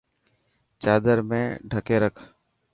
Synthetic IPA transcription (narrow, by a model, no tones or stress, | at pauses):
t͡ʃaːd̪əɾmẽːɖʱəkeːɾəkʰ